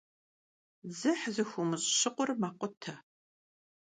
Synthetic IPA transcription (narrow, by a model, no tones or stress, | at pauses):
zɨħzɨxʷumɨɕʼɕɪqʷʊrmaːqʷʊtʰɐ